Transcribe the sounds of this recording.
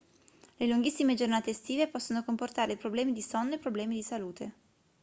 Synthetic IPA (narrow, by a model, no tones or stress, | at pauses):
leluŋɡisːimed͡ʒornaːt̪est̪iːvepɔsːonokomport̪aːɾepɾoblɛːmid̪isɔnːepɾoblɛːmid̪isaluːt̪ʰe